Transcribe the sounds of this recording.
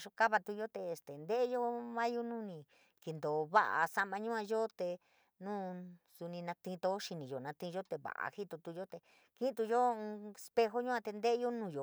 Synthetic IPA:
ʃo˧ka˦βa˧t̪u˧jo˦t̪eː˧˨st̪e˨nd̪e˦ʔjo˦mã˦ju˦nũ˦nĩ˧ | ki˨nd̪o˨βa̰˦ʔa̰˧sa˧mã˧ɲũ˦ã˧jo˦t̪e˧ | nũː˦su˧nĩ˧nã˧t̪ĩ˧t̪o˧˦ʃi˧nĩ˨jo˨nã˧t̪ĩ˧ʒo˦t̪e˧˨βa̰˨ʔa̰˧hi˦t̪o˧t̪u˧jo˦t̪e˧ | ki˦˧t̪u˧jo˦˧e˧spe˧xo˦ɲũ˦ã˧t̪e˧nd̪e˦ʔe˦jo˦nũː˦˨jo˨

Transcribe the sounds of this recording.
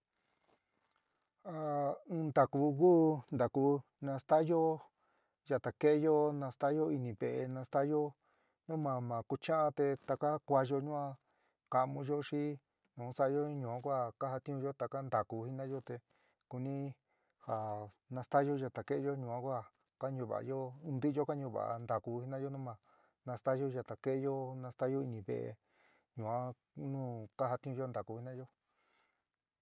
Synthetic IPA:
a˨ɨ̃ː˧nd̪a˨ku˧kuː˦˧nd̪a˨ku˧˦ | nã˧st̪a˦jo˦ | ʒa˧t̪a˨ke˦jo˦nã˧st̪a˦jo˦i˧nĩ˧βe˨ʔe˧nã˧st̪a˦jo˦ | ɲũ˦mã˨mã˨ku˧t͡ʃã˦ʔa˧t̪e˧t̪a˧ka˦kʷa˧ʒo˧ɲũ˦ã˧ | ka˧ʔmũ˧ʒo˦ʂi˦ | nũ˨˦sa˦jo˦i˦ɲũ˨ã˦˧kʷa˦˨ka˦ha˧t̪ĩ˦ũ˧ʒo˦t̪a˨ka˦nd̪a˨ku˧hi˦nã˦jo˦t̪e˧ | ku˧nĩ˦ | ha˨ | nã˧st̪a˦ʒo˦ʒa˧t̪a˨ke˦ʔe˦jo˦ɲũ˧˨ã˦kʷa˦˨ | ka˦ɲũ˧˨βa̰˨˧jo˦˧nd̪ɨ˦jo˦ka˦ɲũ˧˨βa̰˨ʔa̰˧nd̪a˨ku˧hi˦nã˦jo˦nũ˦mã˧˨ | nã˧st̪a˦ʒo˦ʒa˧t̪a˨ke˦jo˦nã˧st̪a˦jo˦i˧nĩ˧βḛ˧˨ʔḛ˧ | ɲũ˨ã˦ | nũː˦˨ka˦ɦa˧t̪ĩ˦ũ˧jo˦nd̪a˨ku˧˨hi˦nã˦jo˦

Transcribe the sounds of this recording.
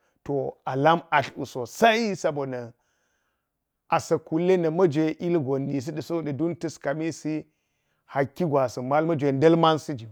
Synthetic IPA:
to˨a˨la˦ma˨ɬṵ˨so˨sa˦i˦sa˦bo˨nɐ˨ | a˨sɐ˨ku˨lːe˦nɐ˨mɐ˦d͡ʒʷe˨ʔi˦lɡo˨nːi˨s̬i˦di˨so˦də˨du˦ntɨ˦ska˨mi˦si˦ | ha˨kʲːi˦ɡʷa˨si˨ma˦lmɐ˦d͡ʒʷe˨nde˦lma˦nsi˦d͡ʒi˨

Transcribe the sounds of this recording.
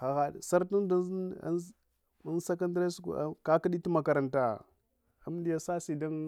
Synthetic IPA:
xa˨ɣa˨sa˦ɾtu˦n˦da˦n˦a̰˦ | a˦n˦sa˦k̬a˦ndɾa˦su˦kka˦ka˦ɗi˦ti˦ma˨ka˨ɾa˨nta˨ | a˦m˦di˦ja˨sa˦si˨da˦n

